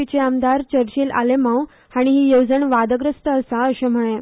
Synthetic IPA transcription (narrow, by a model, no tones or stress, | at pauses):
it͡ɕeamd̪aɾt͡ɕəɾt͡ɕeːlʔa̰lemaw | aɽ̃iɦiːjəwd͡zəɳʋad̪əɡɾəst̪əːsaəɕẽm̤əɭẽ